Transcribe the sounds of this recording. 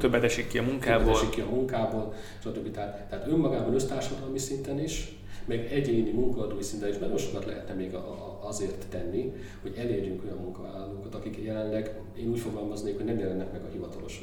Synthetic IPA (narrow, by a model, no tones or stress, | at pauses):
t̪øbːɛt̪ɛʃikːiɒmuŋkaːɛboɛːlɛʃikkːiɒmuŋkaːboːl | ʃɒt̪øbːit̪ɛɦat̪ːɛɦaːt̪ømːɒɡaːbɒnø̞st̪aːrʃɒd̪ɒlmisint̪ɛniʃ | mɛɡɛɟeːnimuŋkɒɒːd̪oːjisint̪ɛniʃbaɾnoʃo̥kɒt̪lɛ̰ɦɛt̪nɛmeːɡ | ɒzeːrt̪ːɛnːi | hoɟɛleːrjyŋko̞jɒmːuŋkɒva̰ːlɒloːkɒt̪ɒkikjɛlɛnlɛɡ | eːnuːcfoɡɒlmɒzneːkhonɛmjɛlɛnːɛkmɛɡɒhivɒt̪ɒlo̞ʃ